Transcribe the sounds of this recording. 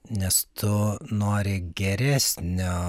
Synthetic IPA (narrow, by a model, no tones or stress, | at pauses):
nʲɛst̪ʰʊnoːɾʲɪɡʲɛɾʲæːsʲnʲoː